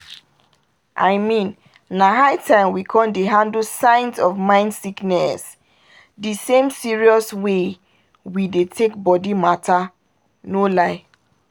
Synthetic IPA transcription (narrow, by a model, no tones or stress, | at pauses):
ʔaɪmĩn | naɦaɪtʰãɪ̃mwikʰɔ̃ndeɦãndlsãɪ̃nsɔvmãɪ̃ndsiknɛs | disẽmsiɹiɔswe | widetʰek̚bɔdimata | nolaɪ